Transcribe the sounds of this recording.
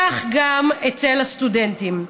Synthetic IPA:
aχɡamet͡se̞last̪udentim

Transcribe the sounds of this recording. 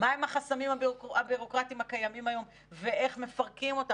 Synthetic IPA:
maemaχasamimababiʁo̞kʁatimhakajamimajo̞m | veʔe̞χme̞faʁkimo̞t̪a

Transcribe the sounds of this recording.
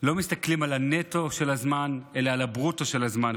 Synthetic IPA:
lo̞mist̪aklimalane̞to̞ʃe̞lazmane̞laːlabʁuto̞ʃe̞lazman

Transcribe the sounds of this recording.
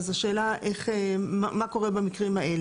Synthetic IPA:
zaʃeːlaʔeχemamako̞ʁebamikʁimaʔel

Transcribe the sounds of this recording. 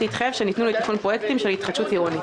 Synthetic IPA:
it̪χajevʃenit̪nuleit̪afonpʁojekt̪imʃelhit̪χaʃutiʁoni

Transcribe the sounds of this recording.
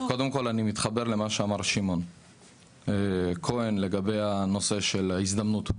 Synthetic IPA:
ko̞de̞mko̞lanimit̪χabe̞ʁle̞maʃeamaʁʃimo̞n | ekʰo̞enle̞ɡabe̞jano̞se̞ʃe̞laisd̪amnut̪

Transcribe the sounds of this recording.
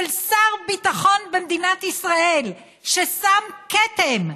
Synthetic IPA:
lsaʁbit̪aχo̞nbemd̪inat̪isʁaʔel | ʃesamket̪em

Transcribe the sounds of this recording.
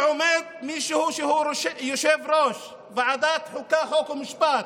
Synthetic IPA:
ʕomed̪̚miʃehuʃeuʃjoʃevɾoʃ | veʕad̪at̪ħukːaxokumiʃpat̪

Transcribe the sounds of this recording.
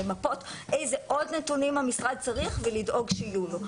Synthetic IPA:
emapo̞tʔejze̞ʔo̞dnetunimhamisʁad̪̚t͡saʁiχvelidʔo̞ɡʃeijulo

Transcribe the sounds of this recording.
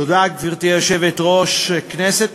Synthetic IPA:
od̪akviʁt̪ieʃevet̪ʁoʃeknɛset̪

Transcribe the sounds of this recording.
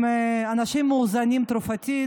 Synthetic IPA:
anaʃimːuːzanʲimt̪ɾufat̪ʲi

